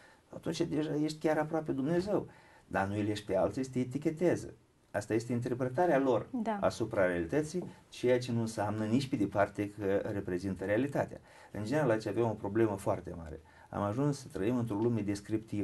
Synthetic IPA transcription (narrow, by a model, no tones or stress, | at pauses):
at̪unt͡ʃad̪e̞ʒaje̞ʃt̪ʲkʲaɾapɾoaped̪umne̞ze̞w | d̪anuileʃt̪̚ʲpe̞alt̪sist̪eet̪̬ikʲe̞t̪ezə̰ | ast̪aje̞st̪eint̪e̞rpɾe̞t̪aɾealo̞rd̪aa̰supɾaɾealit̪ət̪sijt͡ʃe̞jat͡ʃe̞nunsamnənit͡ʃʲped̪e̞part̪e̞kəɾe̞pɾe̞zint̪əɾealit̪at̪ea̰ | ɨ̰nd͡ʒeneɾalad̪t͡ʃʲavamo̞pɾo̞ble̞məfoart̪e̞ma̰ɾe̞̰ | a̰maʒunssət̪ɾəimɨnt̪ɾo̞lume̞d̪e̞skɾipt̪iv